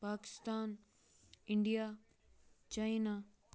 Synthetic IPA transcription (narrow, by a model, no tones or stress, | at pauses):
paːkɪ̥st̪aːn | ɪɳɖija | t͡ɕaina